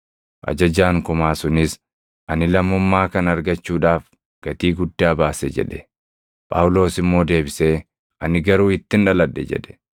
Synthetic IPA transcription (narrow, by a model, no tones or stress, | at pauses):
ʔɐ̰d͡ʒɐd͡ʒaːŋkʊmaːsʊnɪs | ʔɐnɪlɐmːʊmːaːkɐnɐɾɡɐt͡ʃːuːᶑaːf | ɡ̥ɐt̪iːɡʊd̪ːaːbaːsɛd͡ʒɛ̰ᶑɛ | pʼa̰wʊlo̞ːsɪmːo̞ːd̪e̞ːbɪseː | ʔɐnɪɡɐɾuːɪt̪ːɪnᶑɐlɐd̪ːɛ̰d͡ʒɛ̰ᶑɛ̥